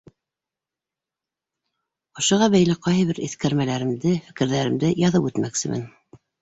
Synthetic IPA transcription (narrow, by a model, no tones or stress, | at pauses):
ŏʃŏʁɑβæjlæqɑjɤβɘɾḭθkæɾmælæɾɘ̆md̪ɘfɘ̆kɘ̆ɾðæɾɘ̆md̪ɘjɑðɤpʉt̪mæksɘ̆mʔɘ̰n